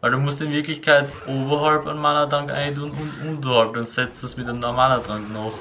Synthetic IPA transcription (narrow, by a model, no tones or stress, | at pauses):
vaɪlduːmʊstɪnvɪɐklɪçkʰaɪtʔoːbɐɦalpa̰nmanɐdʁaŋka̰ɪnt̬uːnunʔundəhalp̚n̩ʊnsɛt͡stɛsmɪt̚d̥eːnɔmanədʁaŋknoːx